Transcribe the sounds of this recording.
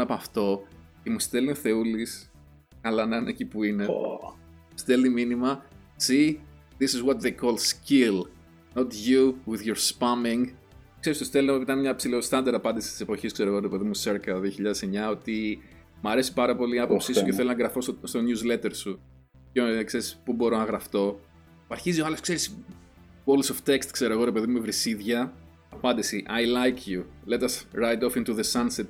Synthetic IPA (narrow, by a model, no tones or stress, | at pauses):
ɐpɐft̪o̞ | cemust̪e̞linθe̞ulis | kɐlɐnɐnecipuine | ust̪eliminimɐ | si | ðisizwot̪̚ðejkʰolscil | not̪ʝuwiðʝoɾspɐmiŋ | kse̞ɾist̪ost̪elinit̪ɐnmɲɐpsilost̪ɐnd̪ɐɾɐpɐnd̪isi̥st̪ise̞po̞çiskse̞ɾo̞ɣo̞ɾipe̞ðimuseɾkɐt̪ɐðio̞çiʎɐðeseɲɐo̞t̪i | mɐɾe̞si̥pɐɾɐpo̞liɐpo̞psisuceθelonɐɡɾɐfo̞sst̪o̞njuzle̞t̪eɾsu | cekse̞ɾispubo̞ɾo̞nɐɣɾɐft̪o̞ | ɐɾçizioɐleskse̞ɾis | bolsoft̪ekst̪kse̞ɾoɣoɾe̞pe̞ðimuvɾisiðʝɐ | ɐpɐnd̪isiʔɐjlajkʰjulet̪ɐsɾajt̪ofĩnt̪uðesɐnset̪